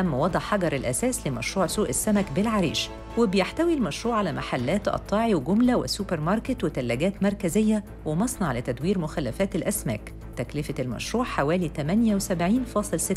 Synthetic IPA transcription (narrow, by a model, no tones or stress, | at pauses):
æmːwɑd̪ˤʕħɑɡɑɾˤelʔæsæːslemæʃɾuːʕsuːʔesːæmækbelʕaɾḭːʃ | webejeħt̪æwilmæʃɾuːʕalæmʔa̰ħalːæːt̪ʔɑ̰t̪ˤːɑːʕiweɡʊmlæwḛsupeɾmɑɾˤket̪wet̪ælːæɡæːt̪mɑɾˤkæzejːæ | wemɑsˤnɑʕlɪt̪æd̪wiːɾmʊxælːæfæːt̪elʔæsmæ̰ːk | t̪æklɪfæelmæ̰ʃɾuːʕħawæːlit̪æmænjæwesæbʕiːnfɑːsˤɨlset̪ː